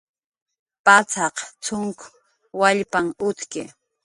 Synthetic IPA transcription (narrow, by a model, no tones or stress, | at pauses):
pat͡sɑqt͡sʊŋkʊ | waʎpaŋʊt̪kɪ